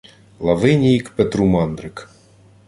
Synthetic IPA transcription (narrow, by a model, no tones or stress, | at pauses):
lˠavɪnʲikpɛt̪ɾumand̪ɾɨk